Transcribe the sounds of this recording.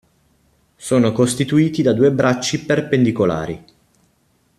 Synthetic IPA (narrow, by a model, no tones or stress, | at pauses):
soːnokost̪it̪uiːt̪id̪ad̪uːebɾat͡ʃːiperpend̪ikola̰ːɾḭ